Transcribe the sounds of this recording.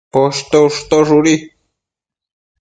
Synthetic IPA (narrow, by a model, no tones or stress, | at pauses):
poʃt̪oʂt̪oʐuɾi